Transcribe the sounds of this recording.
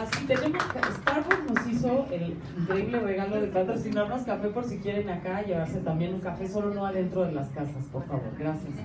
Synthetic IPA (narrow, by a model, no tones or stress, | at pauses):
asit̪e̞ne̞mo̞skaest̪aɾwoɾno̞siso̞el | iŋkɾe̞iβlere̞ɣalo̞ðe̞p̪at̪ɾosinoaβɾaskafe̞po̞ɾsikje̞ɾe̞nakaʝe̞β̞aɾse̞t̪ambje̞nũŋkafe̞so̞lo̞no̞aðe̞nt̪ɾo̞ðe̞laskasaspo̞ɾfaβo̞̰ɾɣɾasjas